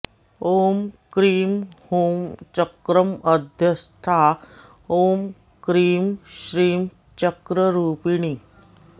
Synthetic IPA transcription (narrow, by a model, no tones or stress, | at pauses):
oːmkɾiːmhoːmt͡ɕəkɾəməd̪ʱjəst̪ʰa | oːm | kɾiːmɕɾiːm | t͡ɕəkɾəɾuːpiɳ̃i